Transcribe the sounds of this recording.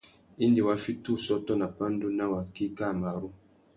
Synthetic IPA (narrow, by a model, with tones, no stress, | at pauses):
i˦ndi˨wa˦fi˦tu˦˨sɔ˦tɔ˦na˨pa˦n˦du˦na˦wa˨ki˦ka˦˨ma˨ɾu˦